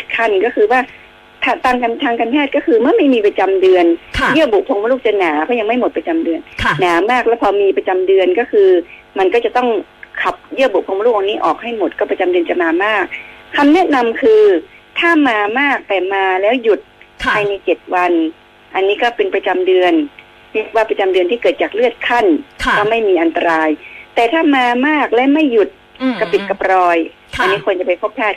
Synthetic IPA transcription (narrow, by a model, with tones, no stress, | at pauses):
kʰa˥˩nkɔː˥˩kʰɯː˧waː˥˩ | t̪ʰa˧t̪aː˧ŋkaː˧nt̪ʰaː˧ŋkaː˧npʰɛː˥˩t̪̚kɔː˥˩kʰɯː˧mɯ˥˩ɐma˥˩jmiː˧pɾa˧t͡ɕa˧mdɯ˧ənʰjɯ˥˩əbu˨˩k̚pʰo˧ŋa˥˦luː˥˩t͡ɕa˧˩naː˩˦kʰɔː˧˥˩ja˧ŋma˥˩jmo˨˩t̪̚pɾa˧t͡ɕa˧mdɯ˧ənʰːaː˩˦maː˥˩k̚lɛː˦˥pʰɔː˧miː˧pɾa˧t͡ɕa˧mdɯ˧ənkɔː˥˩kʰɯː˧ | ma˧nkɔ˥˩t͡ɕa˨˩t̪ɔ˥˩ŋkʰa˨˩p̚jɯ˥˩əbu˨˩k̚ʰːŋa˧˦luː˥˩ʔa˧niː˦˥ʔɔː˨˩k̚ha˥˩jmo˨˩t̪̚kɔ˥˩pɾa˧t͡ɕa˧mdɯ˧ənt͡ɕa˨˩maː˧maː˥˩k̚ʰːa˧mnɛ˦˥na˧mkʰɯː˧ | t̪ʰaː˥˩maː˧maː˥˩k̚t̪ɛː˨˩maː˧lɛː˦˥wju˨˩t̪̚pʰaː˧jna˧jt͡ɕe˨˩t̪̚wa˧n | ʔa˧nːiː˦˥kɔː˥˩pe˧npɾa˧t͡ɕa˧mdɯ˧ən | li˦˥˩k̚waː˥˩pɾa˧t͡ɕa˧mdɯ˧nt̪ʰiː˥˩kɤː˨˩t̪̚t͡ɕaː˨˩k̚lɯ˥˩ət̪̚kʰa˥˩nkɔː˥˩ma˥˩jmiː˧ʔa˧nt̪a˧ɾaː˧jt̪ɛː˨˩t̪ʰaː˥˩maː˧maː˥˩k̚lɛː˦˥wma˥˩jːu˨˩t̪̚ | kɔa˥˩pi˨˩t̪̚ka˧˩pɾɔː˧j | ʔa˧nːiː˦˥kʰo˧ənt͡ɕa˨˩pa˧jpʰo˦˥pʰːɛː˥˩t̪̚